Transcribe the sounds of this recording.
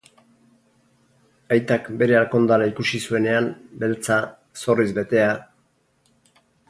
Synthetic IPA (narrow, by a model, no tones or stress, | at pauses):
ajt̪akbe̞ɾe̞alko̞nd̪aɾaikusisue̞ne̞ambe̞lt͡sa | so̞rizbe̞t̪e̞a